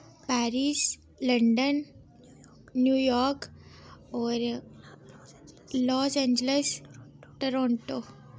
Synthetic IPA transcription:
pæɾis | ləɳɖən | jujɔɾk | ɔɾ | lɔsẽɲd͡ʑlesʈəɾɔɳʈo

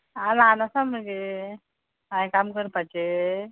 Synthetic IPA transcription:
alanasaməɡe | ãj̃kamkəɾpat͡ʃe

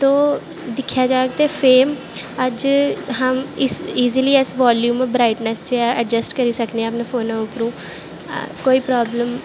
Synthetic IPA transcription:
t̪oː | d̪ɪkʰːjaːd͡ʒaːeɡ̚t̪eːfʰeːm | əd͡ʒɦəmɪsiːziliːɛsʋaːljuːmbɾaːɪʈnɛsd͡ʒeɛːəd͡ʒəsʈkəɾiːsəkd̪eɛ̃əpnãːfʰoːnãːʊpəɾṵ̃ː | koːiːpɾaːbləm

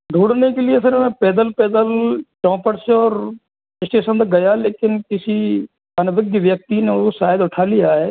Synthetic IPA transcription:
d̪ʱuːɽnekeliesəɾmẽpɛːd̪əlpɛːd̪əlt͡ʃɔ̃ːpəɽseɔːɾ | ɪsʈeːʃənt̪aɡɐjaleːkɪnkɪsi | ɐnʋɪɡjəʋjək̚t̪ineoʃaːjəd̪ʊʈʰaːlijaɦeː

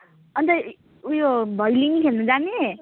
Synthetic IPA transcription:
ʌnt̪ʌ | ujobʱʌjliŋkʰelnud͡zane

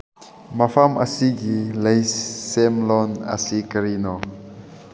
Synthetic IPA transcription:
mapʰamə̰siɡiləjsːemlɔnə̰sikəɾinɔ

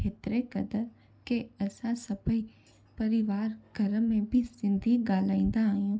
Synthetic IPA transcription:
et̪ɾekəd̪əɾ | keəsãsəbəi | pəɾɪʋaːɾɡʱəɾəmːẽbʱisɪ̃nd̪ʱiɡaːlaːĩnd̪aaːjũː

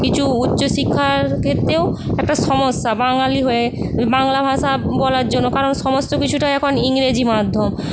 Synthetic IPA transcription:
kit͡ɕʰuutːɕoʃikʰːaɾkʰet̪ːɾeoɛk̚ʈaʃɔmoʃːabaŋaliɦoe | baŋlabʱaʃabɔlaɾd͡ʑonːokaɾonʃɔmost̪okit͡ɕʰuʈaɛkʰoniŋɾed͡ʑimad̪ʱːom

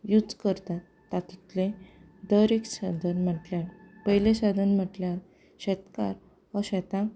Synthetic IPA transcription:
jud͡zkəɾt̪at̪ːat̪it̪lẽ | d̪əɾeksad̪ʱənm̤əʈljaɾpəɦileɕad̪ʱənm̤əʈljaɾ | ɕɛt̪ka̰ɾ | əɕɛt̪ã

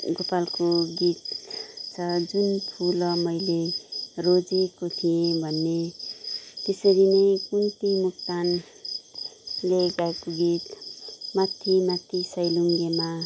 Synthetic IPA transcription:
ɡopalkoɡit̪t͡sʰʌd͡zunpʰulʌmʌjlerod͡zekot̪ʰijẽbʱʌnːe | t̪esʌɾinʌjkunt̪imuk̚t̪an | leɡaekoɡit̪mat̪ʰːimat̪ʰːisʌjluŋɡema

